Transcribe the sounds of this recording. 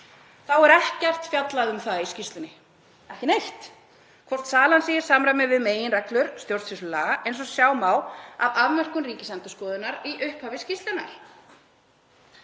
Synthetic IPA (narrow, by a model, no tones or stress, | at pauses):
θawɛɾɛhcɛr̥t̪fjat̪laðʏmθaðiscist̪lʏnɪ | ɛhcɪnejht̪ | kʰvɔr̥t̪saːlansiːjɪɾ̥saːmɾamɛðvɪðmeːjɪnrɛklʏɾ̥st̪jowɾ̥t̪sfɪsʏlaejns̬ɔsjaːwmaːwa̰vaðmɛr̥kʏnriːcɪsɛnt̪ʏskɔːðʏnːaɾiʔʏhphavɪscist̪lɪnːa̰ɾ̥